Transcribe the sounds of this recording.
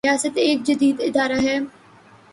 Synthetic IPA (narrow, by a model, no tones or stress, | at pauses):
jaːsət̪eːk̚d͡ʒɐd̪iːd̪ɪd̪aːɾaɦɛː